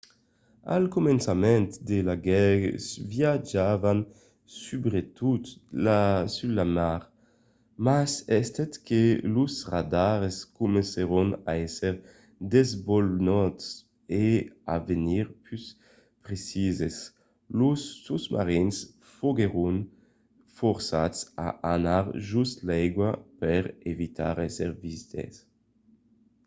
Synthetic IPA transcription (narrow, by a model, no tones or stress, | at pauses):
a̰lkumɛnsamɛnt̪d̪elaɡɛsvjad͡ʒavan | sybɾet̪ut̪lasylamaʁ | masɛst̪ɛt̪kelusʁad̪aʁeskumẽnseɾuna̰ɛseʁ | d̪ezbɔlnɔt̪s | eaveniʁpys | pʁesizes | lusːusma̰ʁins | foɡeʁun | fɔɾsat̪sa̰ʔanaʁʒust̪lɛjɡwapɛɾevit̪ʰa̰ɾɛseɾvizit̪ḛs